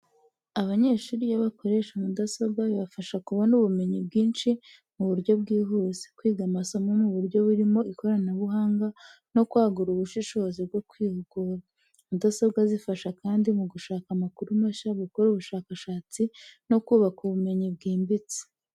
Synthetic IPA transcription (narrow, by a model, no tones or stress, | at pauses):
aβaɲe̞ːʃuːɾijaβako̞ɾe̞ʃamudasobɡaβiβafaʃakuβo̞nuβume̞ɲib̚ɡiːnʃi | muβuɾɟo̞bɡiːɦuːze̥kwiːɡamasomonuβuɾɟo̞βuɾimo̞iko̞ɾanaβuɦaːŋɡa | no̞kwaːɡuɾuβuʃiʃo̞zibɡo̞kwiːhuɡuɾa | mudasobɡazifaʃakaːndimuɡuʃaːkamakuɾumaʃaβukoɾuβuʃaːkaʃaːt͡sino̞kuːβakuβume̞ɲibɡiːmbit͡si̥